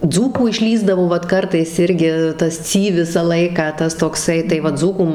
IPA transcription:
ˈd͡zuːkuː ɪʃʲˈlʲiːzdɐʋoː ˈʋɐt ˈkɐrtɐɪs ˈɪrʲɡʲɪ ˈtɐs ˈt͡sʲiː ˈʋʲɪsɑː ˈlˠɐɪkɑː ˈtɐs toːkˈsɐɪ tɐɪ ˈʋɐ ˈd͡zuːkuː

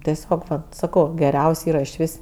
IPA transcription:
tʲɛˈsʲoːk sɐˈkɐʊ ɡʲɛˈrʲɛʊsʲ ˈiːrɐ ɪʃ ˈʋʲɪs

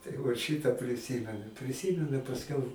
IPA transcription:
tɐɪ ˈʋɐt ˈʃʲiːtɑː pʲrʲɪˈsʲiːmʲɛnʊ pʲrʲɪˈsʲiːmʲɛnʊ ɪ pɐsʲˈkʲɛʊ

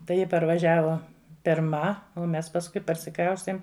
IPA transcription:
tɐɪ ˈjɪ pɐrʋɐˈʒʲæːʋoː pʲɪrˈmɐ oː ˈmʲɛs pɐsˈkʊɪ pɐrʲsʲɪˈkrɐʊsʲtʲeːm

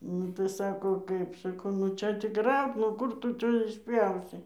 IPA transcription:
nʊ tɐɪ ˈsɑːkoː ˈkɐɪp sɐˈkɐʊ nʊ ˈt͡ʃʲɛ tʲɪk ˈrɐʊt nʊ ˈkʊr tʊ ˈt͡ʃʲɛ ɪʃʲˈpʲjɛʊsʲɪ

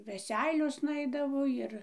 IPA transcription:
ʋʲɛˈsʲɛɪlʲoːsnɐ ˈɐɪdɐʋoː ˈjɪr

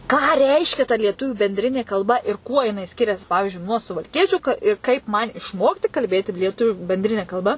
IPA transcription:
kɑː ˈrʲɛɪʃʲkʲɛ tɐ lʲiɛˈtʊʋʲuː bʲɛnʲˈdʲrʲɪnʲeː kɐlˠˈbɐ ɪr ˈkuɔ jɪˈnɐɪ ˈsʲkʲɪrʲɛs ˈpɑːʋʲɪʒʲʊɪ nuɔ sʊʋɐlʲˈkʲiɛt͡ʃʲʊ kɐ ˈɪ kɐɪp ˈmɐn ɪʃˈmoːktʲɪ kɐlʲˈbʲeːtʲɪ lʲiɛˈtʊʋʲʊ bʲɛnʲˈdʲrʲɪnʲɛ kɐlˠˈbɐ

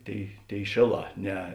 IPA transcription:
ˈtʲeːɪ ˈtʲeːɪ ˈʃʲeːˌlˠɑː ˈnʲɛ

